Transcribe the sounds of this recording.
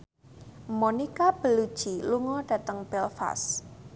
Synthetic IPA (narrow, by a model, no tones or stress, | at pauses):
monikab̥ə̤lud̥ʒ̥iluŋɔɖ̥ä̤t̪əŋb̥ɛlfa̰s